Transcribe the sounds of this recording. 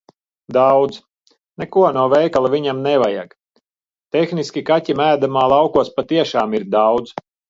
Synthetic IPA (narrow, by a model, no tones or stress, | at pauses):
d̪awd̪z | nɛkuɔnuɔvɛjkalˠavʲiɲamnɛvaja̰ɡ | t̪exniskʲikatʲimæːd̪amaːlˠɑwkuɔspat̪iɛʃaːmiɾd̪awd̪z